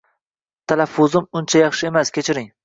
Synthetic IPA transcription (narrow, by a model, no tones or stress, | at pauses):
t̪ʰalafːʊzɪmʊnt͡ʃʰajɑχʃɪe̞maskʲʰet͡ʃʰɪɾɪŋ